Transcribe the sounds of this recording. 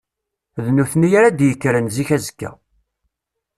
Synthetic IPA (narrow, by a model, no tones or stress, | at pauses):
ðnuθnijaɾad̪jəkːɾənziçæzə̥kːæ̰